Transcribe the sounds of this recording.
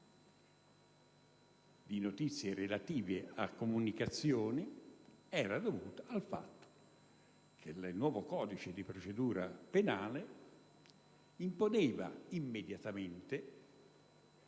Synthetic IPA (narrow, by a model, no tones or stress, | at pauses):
d̪inot̪it̪sːjeɾelat̪iːveakːomunikat̪sːjoːni | ɛːɾad̪ovuːt̪aːlfa̰t̪ːo̥ | kʰelnwɔːvokɔːd̪it͡ʃed̪ipɾot͡ʃed̪uːɾa̰penaːle | imponeːva̰imːed̪jat̪ament̪e